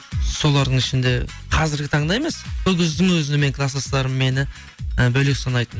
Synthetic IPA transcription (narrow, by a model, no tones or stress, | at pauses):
so̞lˠɑɾd̪əɴŋɪʃɪnd̪e̞qʰɑzɪɾɡʲɪt̪ʰɑɴd̪ɑje̞me̞sʰɵɡʲɪzd̪ɪŋwɵzɪnɪme̞ŋkʰlˠɑsɑst̪ɑɾəmme̞nɪ | əbɵlekʲsɑnɑjt̪ən